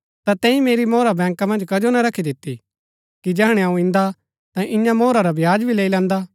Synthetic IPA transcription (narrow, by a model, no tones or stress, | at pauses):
t̪at̪ɛ̃ːĩmeːɾimoːɾabɛ̃ːŋkamɐ̃nd͡ʒkɐd͡ʒonaɾɐkʰid̪ɪt̪ːḭ | kid͡ʒɛɦɽ̃eaũɪ̃nd̪a | t̪ãʔɪ̃jãmoːɾaɾabʱjaːd͡ʒbʱileːilɛ̃ːnd̪a